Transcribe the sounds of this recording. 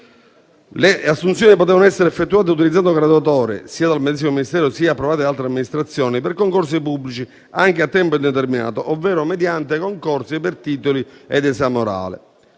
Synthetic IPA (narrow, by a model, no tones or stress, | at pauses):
leasːunt̪sjɔːnipot̪ɛːvanoɛsːeɾefːet̪ːuaːt̪̬eut̪ilid̪zand̪oɡɾad̪uat̪ɔːɾḛsiːad̪almed̪ɛs̬imominist̪ɛːɾosiːaːpːɾovaːt̪̬ealt̪ɾeamːinist̪ɾat̪sːjɔːniperkoŋkors̬ipubːlit͡ʃi | aŋkeat̪ːɛmpoind̪et̪̬ɛrmina̰ːt̪oʔovːɛːɾomed̪jant̪ekoŋkɔrsipert̪iːt̪oliɛd̪ɛsamoɾa̰ːlḛ